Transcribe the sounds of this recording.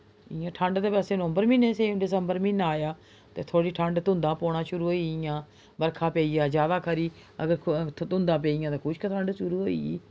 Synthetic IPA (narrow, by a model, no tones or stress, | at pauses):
ɪjãːʈʰəɳɖt̪eːpɛːseːnəmbəɾmĩːnẽːsẽɖɪsəmbəɾmĩnaːjaː | t̪ḛːt̪ʰoːɽiːʈʰəɳɖt̪ʊ̃nd̪ãːpoːɳaːʃʊɾuːɦoːijãː | bəɾkʰãːpeːiːjaːd͡ʒaːd̪aːkʰəɾiː | ə̰ɡəɾt̪ʊ̃nd̪ãːp̬eːijãːt̪ãːkʰʊʃkət̪ʰəɳɖʃʊɾuːɦo̰ːḭːiː